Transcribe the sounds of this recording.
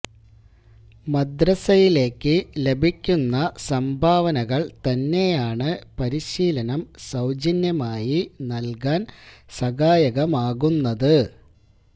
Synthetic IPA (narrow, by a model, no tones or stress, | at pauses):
mɐd̪rɐsɐjile̞ːkːɨle̞bʱikʲːunːɐsɐmbʱaːʋɐnɐɣɐɭt̪ɐnːe̞jaːɳɨpɐɾiɕiːlɐnɐmsɐwd͡ʑɐnjɐmaːjinɐlkaːnsɐɣaːjɐɣɐmaːɣunːɐðɨ